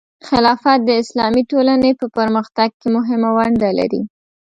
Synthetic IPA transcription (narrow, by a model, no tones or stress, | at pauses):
xɪlɑfat̪̚d̪əɪslɑmiʈolanəpəpəɾməxt̪aɡ̚kemʊɦɪmawaɳɖala̰ɾḭ